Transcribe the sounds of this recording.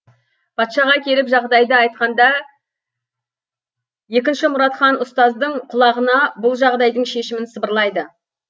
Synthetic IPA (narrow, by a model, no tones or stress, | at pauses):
pʰɑt̪ʃɑʁɑkʲʰe̞ɾɪpʒɑʁd̪ɑjd̪əɑjt̪̚qɑnd̪ɑ | je̞kʲɪnʃɪmʊɾɑt̪qɑnʊst̪ɑzd̪əɴqʰʊlˠɑʁənɑbʊlˠʒɑʁd̪ɑjd̪əɴʃe̞ʃɪmɪnsəbəɾlˠɑjd̪ə